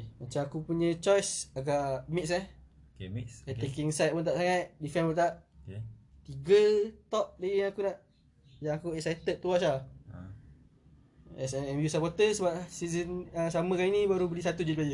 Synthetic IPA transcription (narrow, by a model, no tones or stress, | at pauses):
mat͡ʃamakupuɲə̃t͡ʃɔjsaɡaʔmit̚sah | kat̪ekiŋsajt̪̚punt̪̬aʔ̚saŋat̪difɛnpunt̪aʔ | t̪iɡət̪ɔʔ̚dəjaŋakunaʔ | jaŋakuɛksajt̪ət̪̚t̪ːuas̬a | ɛsɛɛmjusapɔt̪əsəbap̚sizənəsamə̃kaninibaɾubəlisat̪ud͡ʒibad͡ʒə